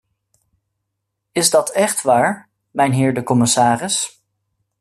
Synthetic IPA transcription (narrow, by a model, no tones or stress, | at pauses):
ɪzdɑtɛχtʋaːɹ | mɛjnɦɪːɹdəkɔmɪsaːrɪs